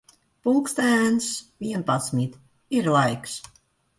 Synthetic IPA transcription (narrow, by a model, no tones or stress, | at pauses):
pulˠkst̪ænsʋiənpasmit̪ | irlajks